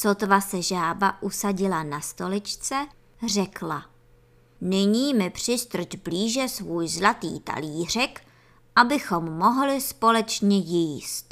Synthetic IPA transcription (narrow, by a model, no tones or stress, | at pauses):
sot̪vasɛʒaːbaʔusaɟɪlanast̪o̞lɪt͡ʃt͡sɛ | rɛkla | nɪɲiːmɪpr̝̥ɪst̪r̩t͡ʃbliːʒɛsvuːjzlat̪ḭːt̪a̰liːr̝ɛk | ʔabɪxo̞mːo̞ɦlɪspo̞lɛt͡ʃɲɛjiːst̪